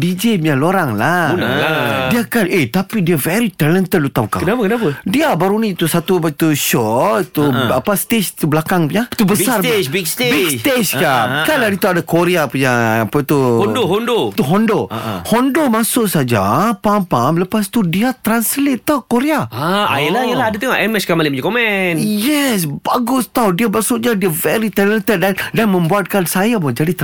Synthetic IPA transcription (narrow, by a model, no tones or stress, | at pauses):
bid͡ʒebialoɾaŋla | diakanet̪apidiavɛɾit̪alənt̪əlut̪awka̰knapakənapadiabaɾunĩːt̪usat̪ubat̪uʃɔit̪uapast̪et͡ʃt̪ubəlakaŋpuɲat̪ubəsarbikst̪bikseskakaladit̪uadakoɾeapuɲapət̪uɔndohɔndot̪uɦɔndohɔndomasʊʔsad͡ʒa̰pampamləpast̪udiat̪ɾanslet̪ːawkoɾeaaajalajalaadat̪əŋaʔɛmɛskamaliməd͡ʒkomɛnjɛsbaɡʊst̪awdiabasʊʔ̚ɲadiavɛɾit̪ɛnlet̪ət̪dandanmə̃mbuat̪̚kansajabɔd͡ʒadit̪